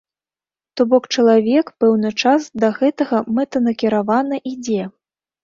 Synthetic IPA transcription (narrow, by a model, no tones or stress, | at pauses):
t̪ɔbɔkt͡ʂɐlˠavʲɛkpɛwnɨt͡ʂasd̪ɐɣɛt̪ɐɣɐmɛt̪ɐnɐkʲiɾavanɐʔid͡zʲɛ